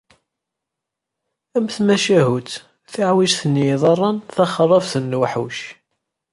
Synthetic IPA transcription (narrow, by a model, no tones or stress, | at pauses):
æmθmæʃæɦut͡s̪ | θaʕwiʒθənːiðˤɑrˤːɑnθɑχrˤːɑvθənːwħuʃ